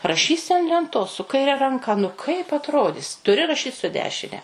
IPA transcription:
rɐˈʃʲiːsʲɪ ɐn lʲɛnˈtoːs sʊ kɐɪˈrʲɛ rɐŋˈkɐ nʊ ˈkɐɪp ɐtˈroːdʲɪs tʊˈrʲɪ rɐˈʃʲiːt sʊ ˈdʲæːʃʲɪnʲɛ

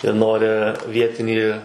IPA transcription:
jiɛ ˈnoːrʲɪ ˈʋʲiɛtʲɪnʲiː

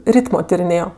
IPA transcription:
ˈrʲiːtmoː tʲɪrʲɪˈnʲeːjoː

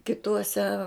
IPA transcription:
kʲɪˈtuɔsʲɛ

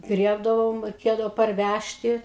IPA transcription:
ˈɡrʲiɛbdɐʋoːm rʲɛɪˈkʲeːdɐʋoː pɐrʲˈʋʲæʃʲtʲɪ

